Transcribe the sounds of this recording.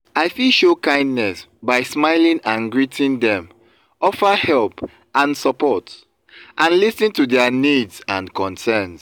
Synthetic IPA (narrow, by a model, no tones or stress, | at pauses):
aɪfilʃokãɪ̃ndnɛsbaɪsmaɪlĩŋãnɡɹitʰĩndɛ̃m | ɔfəhɛlˠp | ãnsəpɔt | ʔãnlisnĩntudɛnidzãnkɔ̃nsɛ̃ns